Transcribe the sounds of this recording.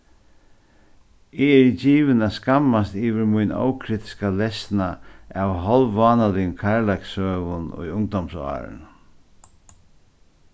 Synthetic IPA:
ɪɛɹd͡ʒiːʋɪnaskamːast̪iːʋɪɾmʊjnɔ̰wkʰɾiːt̪ɪ̥skalɛsnaawɦɔlʋaːnalɪkʰaɹlajksœːʋʊnʊ̰jʊŋd̪ɔmsɑ̰ːɾ̰n

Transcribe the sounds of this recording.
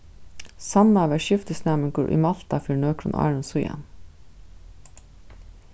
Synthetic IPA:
sɑnɑʋæʃʏft̪əsnæmənɡṵːɾʔḭmɑlt̪ɑfʏːɳøːkʰɾʊ̰nʔɑ̰ːɹənsʊjɑ̰n

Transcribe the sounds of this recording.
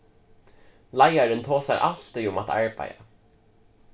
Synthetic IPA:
lajaɾənt̪ʰoːsa̰ɹʔa̰l̥t̪ɪʊmat̪a̰ɹba̰ja̰

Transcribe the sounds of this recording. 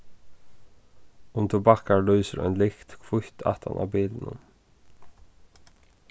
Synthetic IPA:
ʊmt̪ʰɪbɑːkalœʏsəɾœ̰ʏnlɪxt̪kʰvʊht̪ʰa̰ht̪ʰa̰nʔa̰ːbiːlnə̰n

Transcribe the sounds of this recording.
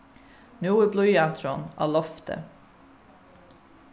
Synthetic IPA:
nuːəbluʏɑːt̪ʰɾonʔɑ̰ːlɔft̪ʰə̰

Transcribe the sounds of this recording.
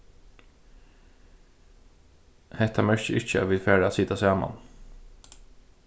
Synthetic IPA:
hɛht̪amœɹçəʔɪc͡çə̰ʋɪlfæːɾaasɪt̪asɑːma̰n

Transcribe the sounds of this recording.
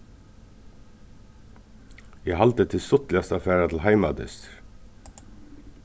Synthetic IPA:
jæhɑlt̪ət̪ʰɪsɔt̪lɪast̪ɑfæːɾat̪ʰl̩hæɪmɑd̪ɪ̰st̪ɾ

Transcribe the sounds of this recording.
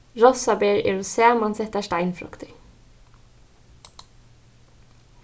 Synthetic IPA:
ɹɔsɑbeːɹḛːɹʊseːɑmɑnsɛt̪æʃʈæɪnfɾʊ̰kt̪ɪ

